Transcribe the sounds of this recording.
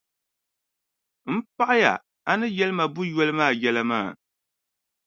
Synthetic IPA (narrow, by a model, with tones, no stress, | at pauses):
m̩˦pa˦ʔa˦ja̰˨ | a˦nɨ˦jɛ˦lɨ˦ma˨bʊ˦jɛ˦lɨ˦maː˦˨jɛ˦la˦ma̰ː˦˨